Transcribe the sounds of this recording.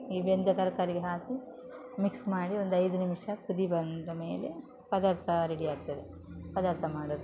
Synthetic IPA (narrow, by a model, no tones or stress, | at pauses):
iʋend̪ɐt̪ɐɾɐkaːɾiɡeɦaːt̪i | miksmaːɽio̞nd̪ɐjd̪unimʂɐkud̪ibɐnd̪ɐme̞ːle̞ | pɐd̪aːɾt̪ʰɐɾeɽiaːɡ̚t̪ɐd̪e | pɐd̪aːɾt̪ʰɐmaːɽoːd̪u